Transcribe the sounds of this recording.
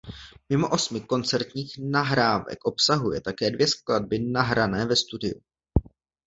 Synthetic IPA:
mɪmo̞ʔo̞smɪko̞nt͡sɛɾt̪ɲiːxnaɦɾaːvɛ̰kʔo̞psaɦujɛt̪akɛːdvjɛsklad̚bɪnaɦɾanɛːvɛst̪udɪjṵ

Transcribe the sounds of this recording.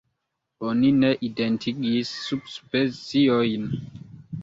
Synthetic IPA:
onineʔidentʰiɡisːubspet͡siojn

